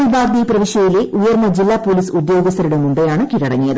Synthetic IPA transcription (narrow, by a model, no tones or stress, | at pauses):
ibaːɾd̪iprɐʋiʂjɐjileʔujɐrnːɐd͡ʑilːaːpːoːliːsud̪jo̞ːɡɐs̬t̪ʰɐɾuɽemumbejaːɳɨkiɾɐɽɐŋːijɐðɨ